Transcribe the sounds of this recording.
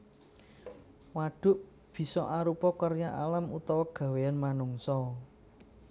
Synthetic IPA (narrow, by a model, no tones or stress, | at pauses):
waɖ̥ʊ̤ʔ | b̥i̤sɔʔaɾupɔkərjaʔalamut̪ɔwɔɡ̥a̤weanmanuŋsɔ